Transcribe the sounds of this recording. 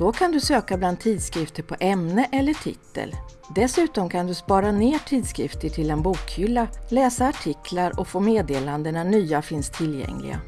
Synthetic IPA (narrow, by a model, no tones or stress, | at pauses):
d̪̥ɔkʰand̪ɵsøːkabland̪ʰiːd̪skɾɪft̪əɾpʰɔʔɛmnəʔɛlːəʈʰɪ̰t̪ːə̰l | d̪ɛsʉ̟ːt̪ɔmkʰand̪ɵspɑːɾaneːʈʰiːd̪skɾɪft̪əʈʰɪlɛnbuːkhʏlːalɛːsaːʈʰɪkʰlaɾɔkfoːmeːd̪eːland̪əɳanyːafɪnst̪ʰːɪlːjɛ̰ŋlɪ̰ɡa̰